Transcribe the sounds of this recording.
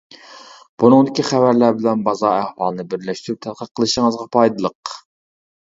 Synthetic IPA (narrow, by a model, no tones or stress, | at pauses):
b̥unɨŋd̪ɪkʲiχævæɾlæɾbɪlɛnbɑzɑæhwɑlˠɨnɨbɪɾlɛʃt̪yɾup̚t̪ʰæd̪̚qʰət̚qʰːəlˠɨʃəŋəzʁɑpʰɑjd̪ɨlˠəq